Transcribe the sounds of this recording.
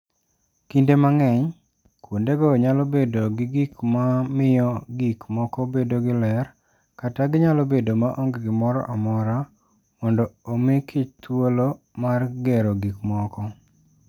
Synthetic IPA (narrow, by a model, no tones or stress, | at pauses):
kindemaŋɛɲ | kwondeɡɔɲalobedoɡɪɡikmamɪjɔɡikmɔkɔbedoɡɪlɛr | kataɡɪɲalobedomaʔoŋɡɡɪmɔɾɔ̰ʔamɔɾa | mɔndɔomekʰit̪wolo | marɡɛɾoɡikmɔkɔ